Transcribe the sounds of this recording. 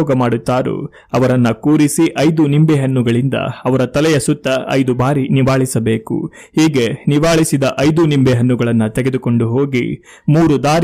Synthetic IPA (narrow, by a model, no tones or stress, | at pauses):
ɔːɡɐmaːɽut̪ːaːɾṵ | ɐʋɐɾɐnːɐkuːɾisiʔɐjd̪unimbeɦɐnːuɡɐɭind̪ɐ̰ɐʋɐɾɐt̪ɐlɛjɐsut̪ːɐɐ̰jd̪ubaːɾiniʋaːɭisɐbe̞ːkṵ | hiːɡe̞niʋaːɭisid̪ɐʔɐjd̪unimbeɦɐnːuɡɐɭɐnːɐt̪eɡe̞d̪uko̞ɳɖuɦo̞ːɡḭ | muːɾud̪aːɾ